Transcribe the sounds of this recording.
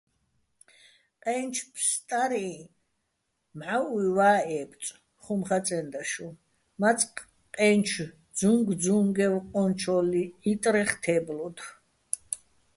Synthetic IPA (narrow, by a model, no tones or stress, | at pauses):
qʼɛnt͡ʃʰpʰst̪ʼaɾi | mʕaʔwiwaːɛːpʰʼt͡sʼ | χumχat͡s̪ʼɛnd̪aʃu | mat͡sʼq | qʼɛnt͡ʃʰ | d͡zuŋɡd͡zuŋɡɛwqʼɔnt͡ʃʰɔliit̪ʼɾɛχt̪ʰɛblɔd̪